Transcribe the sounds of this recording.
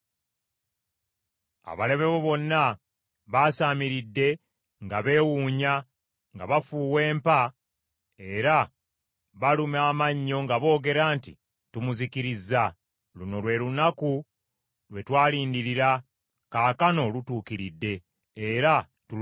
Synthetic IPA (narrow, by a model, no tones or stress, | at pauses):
a̰βale̞βe̞βo̞βo̞nːa | βaːsaːmiɾidːe̞ | ŋɡaβe̞ːwuːɲa | ŋɡa̰βafuːwe̞ːmpa | e̞ɾa | βalumaːmaɲːo̞ŋɡaβo̞ːɡe̞ɾaːntḭ | tumuzikiɾizːa | luno̞lwe̞lunaku | lwe̞twaːliːndiɾiɾa | kaːkano̞lutuːkiɾidːe̞ː | ɾa | tu